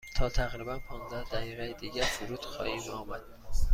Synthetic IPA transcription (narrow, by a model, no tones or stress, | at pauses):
t̪ʰɒːt̪ʰæɣɾibænpʰɒːnzd̪æhd̪æɣiːʁejed̪iːɟæɾsuɾuːd̪̥xɒ̰ːhiːmɒːmæd̪̥̚